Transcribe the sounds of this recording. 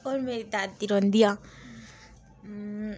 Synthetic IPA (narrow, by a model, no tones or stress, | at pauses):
oɾmeɾit̪at̪iɾɔnd̪ija